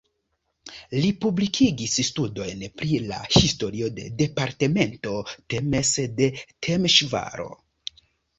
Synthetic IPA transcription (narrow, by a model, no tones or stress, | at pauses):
lipublikʰiɡisstudo̞jnpɾila̰histo̞ɾio̞de̞̰de̞paɾte̞me̞nto̞te̞me̞sde̞tʰemʃva̰ɾo̞̰